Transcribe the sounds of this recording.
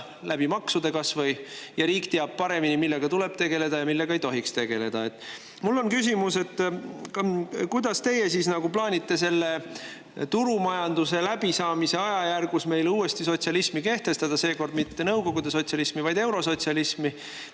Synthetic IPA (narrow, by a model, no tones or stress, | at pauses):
læb̥imɑksud̪e̞kɑsvɤjjɑɾiːkt̪eɑb̥̚pɑɾe̞minimilːe̞ɡ̥ɑt̪ule̞b̥t̪e̞ɡ̥e̞le̞d̪̥ɑjɑmilːe̞ɡ̥ɑejt̪o̞ɦikst̪e̞ɡ̥e̞le̞d̪̥ɑe̞t̪ːˑ | mulːo̞nkys̬ʲimuse̞t̪ːˑ | kujd̪̥ɑst̪e̞je̞sisnɑɡ̥uplɑːnʲit̪ːe̞se̞lːe̞ | t̪uɾumɑjɑnd̪use̞læb̥isɑːmise̞ɑjɑjærɡusme̞jluːe̞st̪iso̞t̪ʲsɑlismike̞ht̪e̞st̪ɑd̪̥ɑse̞ːko̞rd̪mit̪ːe̞nɤwko̞ɡ̥ud̪e̞so̞t̪sʲɑlismivɑjd̪e̞wɾo̞so̞tʲsɑlismi